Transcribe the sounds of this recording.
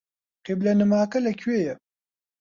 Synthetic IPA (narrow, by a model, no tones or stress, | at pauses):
qiblɐnɨmaːkɐlɐkʰɥeːjɛ